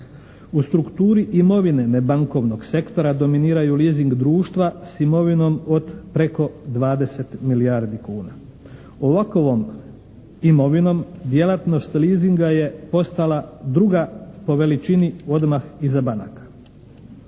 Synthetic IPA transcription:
ust̪ɾukt̪uːɾiʔimo̞ʋine̞nebaŋko̞ʋno̞ɡse̞kt̪o̞ɾad̪o̞miniːɾajuliːziŋɡd̪ɾuːʃt̪ʋasimo̞ʋino̞mo̞d̪pɾe̞ko̞d̪ʋaːd̪e̞se̞t̪miliaɾd̪ikuːna̰ | oʋakoʋo̞m | imo̞ʋino̞md̪je̞lat̪no̞st̪liːziŋɡaje̞po̞st̪alad̪ɾuɡapo̞ʋe̞lit͡ʃinio̞d̪maxizabana̰kḁ

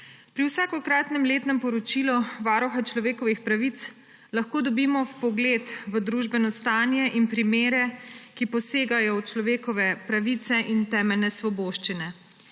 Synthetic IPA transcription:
pɾiwsaːkɔkɾaːt̪nɛmleːt̪nɛmpɔɾɔt͡ʃiluʋaːɾɔxat͡ʃlɔʋeːkɔʋixpɾaʋit̪s | laxkoːd̪ɔbiːmɔpɔɡlet̪ʋəd̪ɾuʒbɛnɔst̪aːnjɛʔinpɾimeːɾɛkipɔseːɡajɔwt͡ʃlɔʋeːkɔʋɛpɾaʋit̪sɛʔint̪ɛːmɛlnɛsʋɔboːʃt͡ʃinɛ

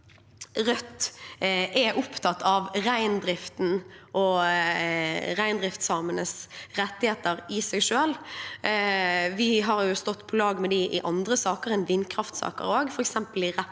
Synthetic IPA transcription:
ʁœt̪ː | ʔɛʔʊpt̪ʰɑt̪ːɑʋɾæɪnd̪ɾɪft̪n̩ʔɔ | ʁæɪnd̪ɾɪft̪sɑːmənəsɾɛt̪ːɪheːt̪əɾɪsɛɡʂʉɛl | ʋɪɦɑʁjʊst̪ɔt̪ːpʰɔlɑːɡmɛd̪ɪʔɪ̰ʔɑnd̪ʁəsɑːkəɾɛnʋɪnkʰɾɑft̪sɑ̰ːkə̰ɾoːɡfɔɾɛksɛmpəlɪʁɛ

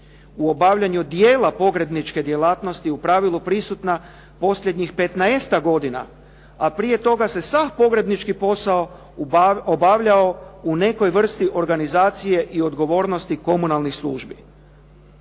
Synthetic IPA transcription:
uo̞baʋʎaɲud̪je̞ːlapo̞ɡɾe̞b̪nit͡ʃke̞d̪je̞laːt̪no̞st̪iupɾaːʋilupɾisut̪na | po̞sʎʲe̞d̪ɲixpe̞t̪naest̪aɡo̞d̪ina̰ | apɾije̞t̪o̞ɡase̞sʋafpo̞ɡɾe̞b̪nit͡ʃkipo̞sao̞ | obaʋʎao̞une̞ko̞jʋr̩st̪iʔo̞ɾɡanizaːt̪sije̞ʔio̞d̪ɡo̞ʋo̞ːɾno̞st̪iko̞munalˠnixslˠṵːʒbi

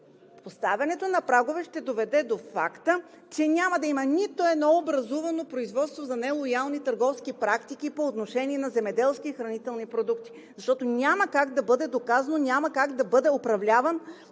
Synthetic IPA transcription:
post̪avʲɐnɛt̪onɐpɾaɡovɛʃt̪ɛd̪ovɛd̪ɛd̪ofa̰kt̪ə | t͡ʃɛnʲaməd̪ɐimənit̪oɛd̪nɔobɾɐzuvɐnopɾoizvɔt̪st̪vozɐnɛlˠojalˠnit̪ɐɾɡɔfskipɾakt̪ikipoːt̪noʃɛnʲiɛnɐzɛmɛd̪ɛlˠskiːxɾɐnit̪ɛlˠnipɾod̪ukt̪i̥ | zɐʃt̪ɔt̪onʲaməkaɡd̪ɐbɤd̪ɛd̪okazɐnonʲaməkaɡd̪ɐbɤd̪ɛopɾɐvlʲavən

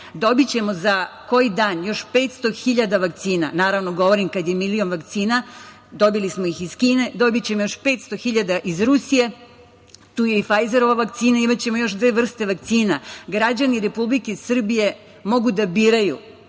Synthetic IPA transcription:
d̪o̞bit͡ɕe̞mo̞zako̞jid̪aːnjo̞ʃpe̞t̪st̪o̞xiʎad̪aʋak̚t̪siːnanaːɾaʋnoɡo̞ʋo̞ɾimkad̪je̞milio̞nʋakt̪siːna | d̪o̞bilismoixiz̥kiːne̞d̪o̞bit͡ɕe̞mojoʃpe̞ːt̪st̪o̞xiʎad̪aʔizɾusije̞ | t̪uːjeifajze̞ɾo̞ʋaʋakt̪siːnaimat͡ɕe̞mo̞jo̞ʃd̪ʋeʋr̩st̪e̞ʋak̚t̪siːnaɡɾad͡ʑaniɾe̞publikesr̩bije̞ | mo̞ɡud̪abiːɾaju

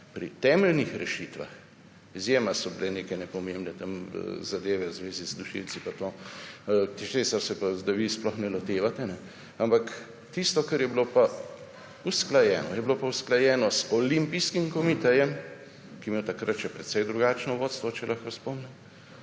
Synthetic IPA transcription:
pɾḭt̪ɛːmɛlnixɾɛʃiːt̪ʋa̰x | izjeːmasɔbileneːkɛjnɛpɔmembnɛt̪am̰zad̪eːʋɛwzʋeːzizd̪uʃḭlt̪sipat̪oː | t͡ʃeːsaɾsɛpazd̪aʋisplɔxnɛlot̪eːʋat̪ɛnɛ | ampak | t̪ist̪ɔkɐɾjɛbilopa | usklajɛːnɔ̰jɛbilopausklajɛːnɔzɔlimpiskimkɔmit̪ɛɾjɛm | kijɛmeːwt̪akɾat̪ʃɛpɾɛt̪sɛjd̪ɾuɡaːt͡ʃnɔʋoːt̪st̪ʋɔt͡ʃɛlʔaxkospɔmnɛm

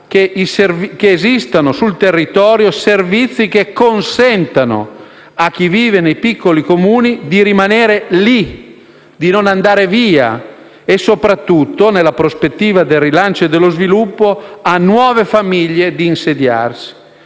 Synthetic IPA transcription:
keiservkeːzist̪anosult̪erːit̪ɔːɾjoservit̪sːik̟ekːonsɛnt̪ano̰ | ak̟ːiviːvenejpikːolikomuːnid̪iɾimaneːɾeli | d̪inonand̪aːɾeviːa̰ | esopɾat̪ːut̪ːonelapɾospet̪ːiːvad̪elrilant͡ʃoed̪elozvilupːoanwɔːvefamiʎːed̪iːnsed̪ja̰rsi̥

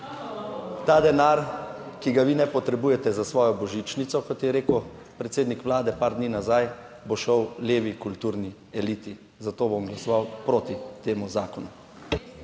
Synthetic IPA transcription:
t̪aːd̪ɛnaɾkiɡaʋinɛpɔt̪ɾɛbuːjɛt̪ɛzasʋɔːjɔbɔʒit͡ʃnit̪sɔkɔt̪jɛɾeːkow | pɾɛt̪seːd̪nikʋlaːd̪ɛpaɾd̪niːnazajboʃɔwleːʋikult̪uːɾni | ɛliːt̪i | zat̪oːboɔmɡlasɔʋawpɾoːt̪it̪eːmuzaːkɔnu

